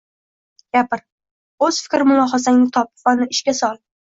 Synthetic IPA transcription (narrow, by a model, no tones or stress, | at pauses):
ɡ̥ʲapʰɪɾ | ɵz̥fɪ̥kʲɾɪmʊlˠɒɦɒs̬aŋnɪt̪ʰɒp̚vanɪɪʃkʲasɒlˠ